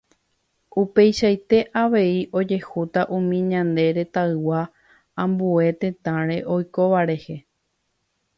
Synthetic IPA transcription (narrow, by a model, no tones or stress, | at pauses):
upe̞jʃajt̪e̞ʔaʋe̞iʔo̞d͡ʒe̞hut̪aʔũmĩɲãnd̪e̞ɾe̞t̪aɨwa | ãmbue̞t̪ẽ̞t̪ãɾ̃e̞ʔo̞jko̞ʋaɾe̞he̞